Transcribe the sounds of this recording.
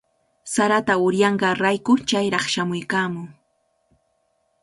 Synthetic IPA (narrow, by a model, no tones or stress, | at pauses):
saɾat̪aʊɾjɑɴɢɑɾajkʊt͡ʃajɾɑχʃamʊjkamʊŋ